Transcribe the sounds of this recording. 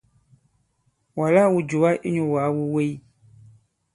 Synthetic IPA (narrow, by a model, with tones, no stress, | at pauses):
wa˨la˦wu˨d͡ʒu˨wa˦ʔe˦ɲõ˨wa˨˦wu˦we˦i˦